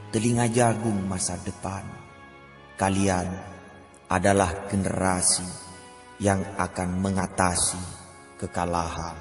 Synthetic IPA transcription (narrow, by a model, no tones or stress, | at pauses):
t̪əliŋad͡ʒaɡʊŋmasadəpan | kalian | ʔadalahɡənə̰ɾasi | jaŋakanməŋat̪asi | kəkalaɦan